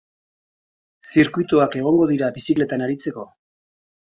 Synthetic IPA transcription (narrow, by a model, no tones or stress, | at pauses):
siɾkujt̪oake̞ɣ̞o̞ŋɡo̞ðiɾabisikle̞t̪anaɾit͡se̞ko̞